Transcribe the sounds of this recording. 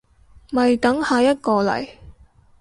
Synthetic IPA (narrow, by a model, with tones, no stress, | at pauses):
mɐ˨jt̪ɐ˨˥ŋhaː˨jɐ˥t̚kɔː˧lɐ̰˨˩j